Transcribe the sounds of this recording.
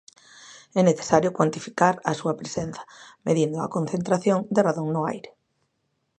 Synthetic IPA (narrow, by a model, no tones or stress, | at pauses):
ɛneθe̥saɾjʊkwant̪ifi̥kaɾɐsuɐpɾesenθɐ̥meðind̪ʊɐ̰kon̟θent̪ɾaθjoŋd̪eraðoŋnʊajɾe